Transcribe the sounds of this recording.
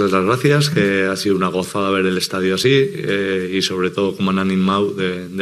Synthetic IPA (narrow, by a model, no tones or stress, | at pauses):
ezlazɣɾaθjaske̞asiðuunaɣ̞ofaðaβ̞e̞ɾele̞st̪að̞joasi | iso̞β̞ɾe̞t̪o̞ð̞o̞ko̞moananimawðed̪